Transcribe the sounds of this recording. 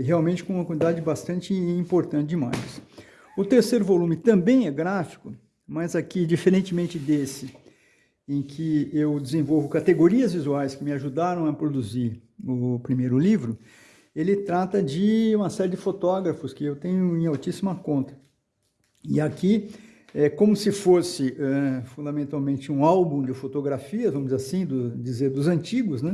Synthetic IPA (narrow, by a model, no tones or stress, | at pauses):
ɦeawmẽnt͡ʃɪ̥kõũmɐkwɐ̃t͡ʃid̪ad͡ʒɪbast̪ɐ̃nt͡ʃɪĩmpoɾt̪ɐ̃nt͡ʃɪd͡ʒima̰js | ʊt̪eɾsejɾʊvolũmɪt̪ɐ̃mbẽj̃ɛɡɾafi̥kʊ | mɐzakid͡ʒifeɾẽnt͡ʃɪmẽnt͡ʃɪd̪esɪ | ẽj̃kʰɪewd͡ʒɪzẽvowvʊkat̪eɡoɾiɐzvizuajskɪmɪaʒud̪aɾɐ̃w̃ɐpɾod̪uziɾʊpɾimejɾʊlivɾʊ | elɪt̪ɾat̪ɐd͡ʒɪũmɐsɛɾɪd͡ʒɪfot̪ɔɡɾɐfʊskɪewt̪ẽɲʊẽj̃awt͡ʃisimɐkõnt̪ɐ̥ | ɪaki | ɛkõmʊsɪfosɪɛfũnd̪amẽnt̪awmẽnt͡ʃɪũawbũd͡ʒ̪ɪfot̪oɡɾafiɐvɐ̃mʊzzasĩd̪ʊd͡ʒizeɾd̪ʊzɐ̃nt͡ʃiɡʊznɛ